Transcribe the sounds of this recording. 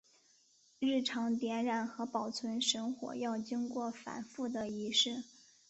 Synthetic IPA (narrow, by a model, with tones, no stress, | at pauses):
ɻɻ̩˥˩ʈ͡ʂʰɑ˧˥ŋt̪jɛ˧˥nɻa˨˩nxɤ˧˥pɑ˨˩ʊt͡sʰwə˧˥nʂə˧˥ŋxwɔ̰˨˩jɑ˥˩ʊt͡ɕi˥ŋkwɔ˥˩fa̰˨˩nfu˥˩d̪ə˩i˧˥ʂɻ̩˥˩